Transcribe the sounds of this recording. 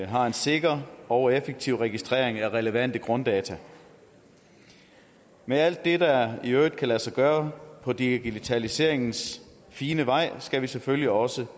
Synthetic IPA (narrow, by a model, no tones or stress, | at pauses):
ɦɑ̈e̝nse̝ɡ̥ɐɒʊefeɡ̥̚t͡sʰiʊ̰ʁɛɡ̥isd̥ʁɛ̰ɐ̰e̝ŋæʁɛləʋæn̰d̥əɡ̥ʁɔ̽nd̥ɛːt͡sʰæ | meæl̰d̥ːe̝d̥ɑiøʊd̥̚kʰælæsɑ̈ɡ̥ɶːɐpʰɒ̽d̥iɡ̥it͡sʰælise̝ɐ̰e̝ŋn̩s | fiːnəʋɑ̈ɪ̰sɡ̥æʋiseføljiɒ̽sə